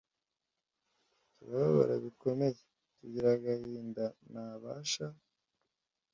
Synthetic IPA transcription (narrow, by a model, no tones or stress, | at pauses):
tuβaβaβa̰ɾaβiko̞me̞je | tuɟiɾaɡahiːndanaβaːʃa